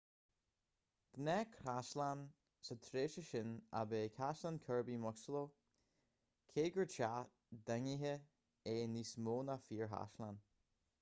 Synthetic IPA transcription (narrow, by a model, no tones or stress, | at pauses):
ɡ̥nɛkʰɾaslan | sət̪ʰɾeːʃəʃɪna̰beːkʰaslankʰɜɹbimɔksəlo | kʰeːɡəɹt͡ʃa | d̪ɛŋiɦə | eːnismoːnafiːɹɦa̰ʃlan